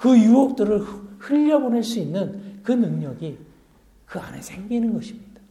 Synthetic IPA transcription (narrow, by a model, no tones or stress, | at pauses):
kɯjuok̚t͈ɯɾɯɭhɯʎːʌboneɭs͈uinːɯnkɯnɯŋɲʌɡi | kɯa̰ne̞̰sʰeŋɡinɯnɡʌɕʰimɲid̥ḁ